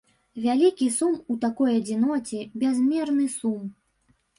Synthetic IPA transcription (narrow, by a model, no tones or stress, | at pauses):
vʲalʲikʲisumut̪akɔjɐd͡zʲinɔt͡sʲɛbʲazmʲɛrnɨsum